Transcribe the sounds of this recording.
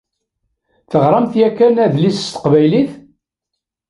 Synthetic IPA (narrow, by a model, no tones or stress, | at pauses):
θəʁɾˤɑmθjækːænæðlist̪ə̥qvæjliθ